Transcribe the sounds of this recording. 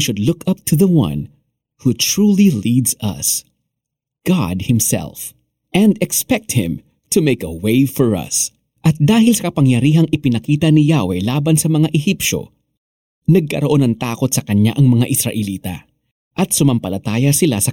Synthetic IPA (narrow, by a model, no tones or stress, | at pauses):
iʃʊd̪lʊkʰɐp̚t̪ʰʊðɐwɐ̰̃n | hut̪ɹuːlilid̪zɐ̰s | ɡ̥ɑ̰d̪̚hɪmsɛ̰lf | ʔɛ̃nd̪ɛkspɛk̚t̪̚hɪ̰̃m | t̪ʰʊmejkɐweɪfɔɹɐ̰s | ʔɐt̪̚d̪aːhɪlsɐkɐpɐŋjɐɾiːɦɐŋʔɪpɪnɐkiːt̪ɐnɪjawɛlaːbɐnsɐmɐŋaʔɛhipʃo̞̰ | nɐɡ̚kɐɾoʔo̞nɐŋt̪aːko̞t̪̚sɐkɐɲa̰ʔɐŋmɐŋaʔɪsɾɐʔɛliːt̪ɐ̰ | ʔɐt̪̚sʊmɐmpɐlɐt̪aːjɐsɪlasɐ